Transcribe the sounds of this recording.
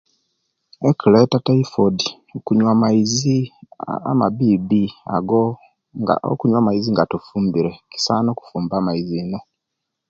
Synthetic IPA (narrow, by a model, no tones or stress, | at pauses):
ekiletataifodi | okuɲwamaizi | a̰maβibia̰ɡo̰ | o̰kuɲwamaiziŋɡatufuːmbiɾeki̥saːnoku̥fuːmbaːmaiziːno̞